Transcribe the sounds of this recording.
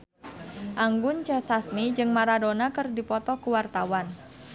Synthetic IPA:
ʔaŋɡʊnt͡ʃəsasmid͡ʒɨŋmaɾadonakɨrdipɔt̪ɔkuwart̪awan

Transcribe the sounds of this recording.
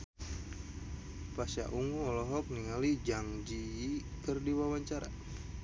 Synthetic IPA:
pasa̰ʔuŋuɔlɔɦɔk̚niŋalid͡ʒaŋd͡ʒikərdiwawaɲt͡ʃaɾa

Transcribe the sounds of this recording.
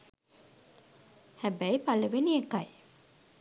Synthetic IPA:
hæbæipaləʋeniekaj

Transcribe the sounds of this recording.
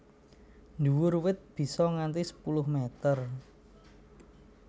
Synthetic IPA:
nduwʊrwɪt̪̚b̥i̤sɔŋant̪isə̥pulʊhmet̪ər

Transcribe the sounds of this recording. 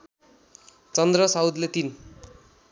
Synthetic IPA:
t͡sʌnd̪rʌsawd̪let̪in

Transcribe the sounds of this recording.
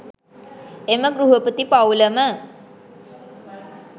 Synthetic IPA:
eməɡɾuɦəpət̪ipawləmə

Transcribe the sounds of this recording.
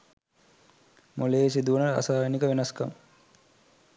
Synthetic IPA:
moleːsid̪uʋənəa̰saːjenikəʋenɐskɐ̰m

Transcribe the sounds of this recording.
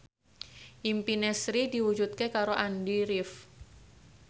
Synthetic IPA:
ʔimpinɛsɾidiwud͡ʒut̪̚kekaɾoʔandiɾɪf

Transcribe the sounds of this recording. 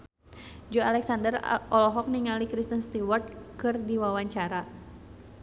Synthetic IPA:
d͡ʒɔalɛksandərʔɔlɔɦɔk̚niŋalikɾist̪ənst̪iwart̪̚kɨrdiwawaɲt͡ʃaɾa

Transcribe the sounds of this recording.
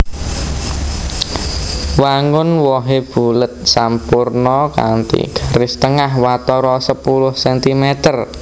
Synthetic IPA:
waŋʊnwɔɦeb̥ulət̪̚sampurnɔka̰nt̪ḭɡ̥a̤ɾɪst̪əŋahwat̪ɔɾɔsəpulʊhsɛnt̪imɛt̪ər

